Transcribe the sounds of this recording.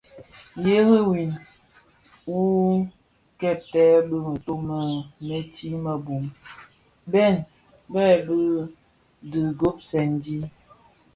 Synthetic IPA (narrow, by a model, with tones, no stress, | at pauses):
je˦ɣə˦wi˨n | u˦ | kɛ˦˨p̚tɛ˦bə˦n̩˨to˦mə˨me˦ti˦ma˨bu˨m | bɛ˦˨n | bɛ˦˨bə˦ | dɨ˨ɡo˦p̚sɛ˨n˨di˦